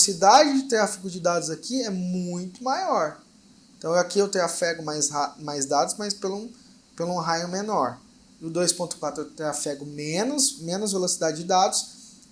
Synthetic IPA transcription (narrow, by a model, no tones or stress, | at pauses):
sid̪ad͡ʒɪd͡ʒɪt̪ɾafiɡʊd͡ʒɪd̪ad̪ʊzakiɛmũj̃t̪ʊmajɔɾ̃ | t̪ɐ̃w̃akiewt̪ɾafɛɡʊmajzamajzd̪ad̪ʊsmajspelũ | pelʊũɦajʊ̃menɔɾ | ʊd̪ojspõt̪ʊkwat̪ɾʊewt̪ɾafɛɡʊmẽnʊsmẽnʊzvelosid̪ad͡ʒɪd͡ʒɪd̪ad̪ʊs